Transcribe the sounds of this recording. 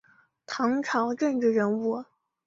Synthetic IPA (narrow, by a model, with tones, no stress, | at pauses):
t̪ʰɑ˧˥ŋʈ͡ʂʰɑ˧˥ʊʈ͡ʂə˥˧ŋʈ͡ʂɻ̩˥˩ɻə˧˥nu˥˩